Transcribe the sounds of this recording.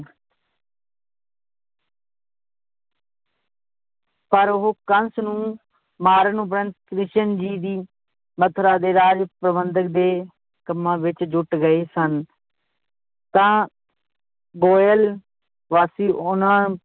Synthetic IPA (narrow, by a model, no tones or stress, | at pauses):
pəɾʊɦoːkənsnũː | maːɾnũːbəɾənkɾɪt͡ʃənd͡ʒiːd̪iː | mət̪ʰɾaːd̪eːɾaːd͡ʒpɾəbənd̪ək̚d̪eː | kəmːãːʋɪt͡ʃd͡ʒʊʈɡəeːsən | t̪ãː | ɡoːjəl | ʋaːsiːʔʊnãː